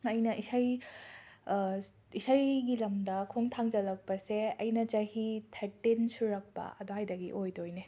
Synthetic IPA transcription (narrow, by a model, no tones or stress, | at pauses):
ɐjnɐʔisaj | isajɡilɐmdɐkʰoŋtʰaŋd͡ʒɐlɐk̚pɐseɐjnɐt͡ʃɐhitʰɐɾtinsuɾɐk̚pɐ̰ɐd̪oɦajdɐɡḭʔojdojne